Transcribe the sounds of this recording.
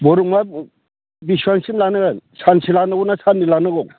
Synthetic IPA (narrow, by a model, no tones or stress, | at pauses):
bɔɾuŋma | bisuaŋsinlanɯansʰansʰilanɯɡɔnasʰanːilanɯɡɔ